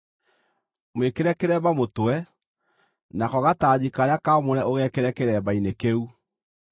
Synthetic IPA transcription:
mwekeɾɛkeɾɛbamotwɛ | nakɔɣataːd͡ʑikaɾeakamoɾɛʔoɣɛkeɾɛkeɾɛβainekeu

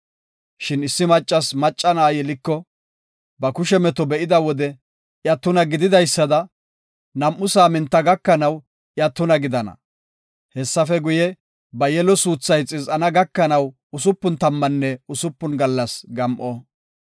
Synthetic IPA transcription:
ʃɪnɪsːɪmɐt͡ʃʼːɐsmɐt͡ʃʼːɐnaːjɛlɪkːɔ | bɐkʊʃɛmɛt̪ɔbɛʔɪd̪ɐwɔd̪ɛ | jɐt̪ːʊnɐɡɪd̪ɪd̪ɐjsːɐd̪ɐ | nɐmʔːʊsaːmɪnt̪ːɐɡɐkːɐnɐw | ʔjɐt̪ːʊnɐɡɪd̪ɐnɐ̰ | hɛsːɐfɛɡʊjɛ | bɐjɛlɔsuːt͡sːɐjt͡sʼɪzʔɐnɐɡɐkːɐnɐw | ʊsʊpːʊnt̪ɐmːɐnːɛʊsʊpːʊnɡɐlːɐsɡɐmʔɔ

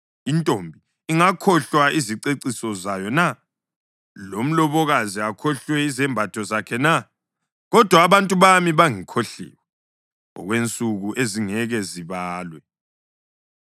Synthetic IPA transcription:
intʼombʱi | iŋakʰɔɬwaiziǀeǀisɔzajɔna | lom̩lɔβɔɣaziakʰɔɬwɛizɛmbʱatʰɔzakʰɛna | ɣɔd̥ʱwaːβantʼuβamiβaŋikʰoɬḭːwɛ | ɔ̰ɣwent͡sʼuɣuʔeziŋɛɣɛziβaːlwɛ

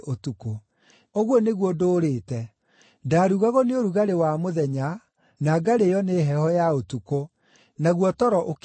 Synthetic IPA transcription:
otuko | oɣwɔneɣwɔdoːɾetɛ | daɾuɣaɣɔneoɾuɣaɾewamoðɛɲa | naːɡaɾejɔneɦɛhɔjaotuko | naɣwɔtɔɾɔʔok

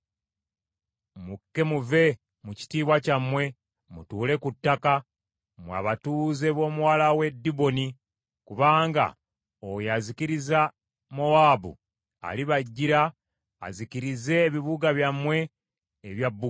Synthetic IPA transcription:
mukːe̞muve̞ | muci̥tiːβwacamwe̞ | mutuːle̞kutːaka | mwa̰βatuːze̞βo̞ːmuwaːlawe̞dːibo̞ni | kuβaːŋɡa̰ | ojaziciɾiza | mo̞aːbṵ | a̰liβaɟːiɾa̰ː | ziciɾize̞ːβiβuɡaβjamwe̞ː | βjabːu

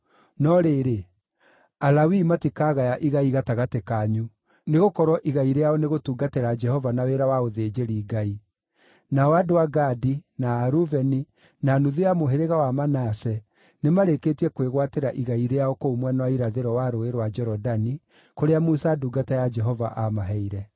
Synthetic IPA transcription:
nɔɾeɾe | alawimatikaɣajaʔiɣaiɣataɣatekaɲu | neɣokɔɾwɔʔiɣaiɾejaɔneɣotuːɡateɾad͡ʒɛhɔvanaweɾawaoðeːd͡ʒeɾiːɡai | naɔwadoaɡadinaːɾuvɛni | nanuðijamoɦeɾeɣawamanasɛ | nemaɾekeːtiɛkweɣwateɾaʔiɣaiɾejaɔkoumwɛnawaiɾaðeɾɔwaɾoeɾwad͡ʒɛɾɔdani | koɾeamusaːduːɡatɛjad͡ʒɛɦɔva̰ʔamaɦɛiɾɛ

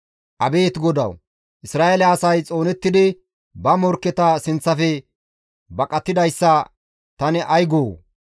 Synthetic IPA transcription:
ʔɐbe̞ːt̪ɡɔd̪ɐ̰w | ʔɪsɾaːʔelɛɐsɐjt͡sʼo̞ːnɛt̪ːɪd̪ɪ | bɐmɔɾkːɛt̪ɐsɪnt͡sːɐfɛ | bɐkʼɐt̪ːɪd̪ɐjsːɐ | t̪ɐnɛʔɐjɡoː

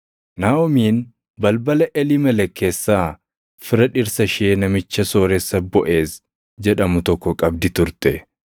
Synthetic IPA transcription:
naːɔmiːn | bɐlbɐlɐʔɛlɪmɛlɛkːe̞ːsːaː | fɪɾɐᶑɪɾsɐʃeːnɐmɪt͡ʃːɐsoːɾɛsːɐbɔʔe̞ːs | d͡ʒɛᶑɐmʊt̪ɔkːɔkʼɐbd̪ɪt̪ʊɾt̪ɛ

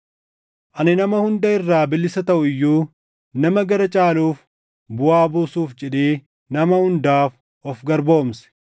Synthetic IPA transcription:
ʔɐnɪnɐmɐhʊnd̪ɐɪrːaːbɪlːɪsɐt̪ɐʔʊɪjːuː | nɐmɐɡɐɾɐt͡ʃʼaːluːf | bʊaːbuːsuːfd͡ʒɛᶑeː | nɐmɐhʊnd̪aːf | ʔɔfɡɐɾbo̞ːmsɛ̥

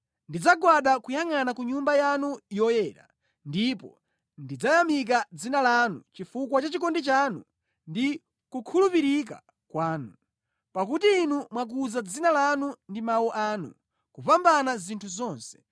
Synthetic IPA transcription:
ndid͡zaɡwaɗakujaŋanakuɲumbajanujɔjɛːɾa̰ | ndipɔ̰ | ndid͡zajamik̬ad͡zinalanṵt͡ʃifukwat͡ʃat͡ʃikɔndit͡ʃanṵ | ndi | kukʰulupiɾik̬a̰ | kwaːnu | pak̬utiːnumwak̬uzad͡zinalanundimawuʔaːnṵ | kupambanazintʰuzɔːnsɛ̥

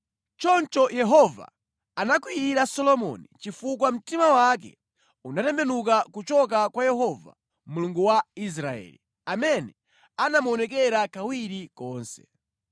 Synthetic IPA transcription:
t͡ʃɔnt͡ʃɔjɛɦɔva̰ | anakwiiɾasɔlɔmɔ̰nit͡ʃifukwam̩timawak̬ɛ̰ | unatɛmbɛnuk̬akut͡ʃɔk̬akwajɛɦɔva̰ | muluŋɡuwais̬ɾaɛ̰ːlḭ | amɛnɛ | anamuɔnɛk̬ɛɾakawiɾikɔːnsɛ̥̰

